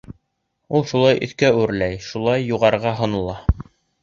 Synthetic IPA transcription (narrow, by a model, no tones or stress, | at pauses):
ulˠʃulˠɑjʔɵ̆θkæʉɾlæjʃulˠɑjːuʁɑɾʁɑɦŏnɤ̆lˠɑ